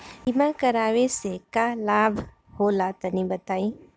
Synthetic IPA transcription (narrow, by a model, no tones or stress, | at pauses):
ɪmãkɐɾaːʋesekalaːbʱ | hoːlat̪ɐnĩbɐt̪aːĩ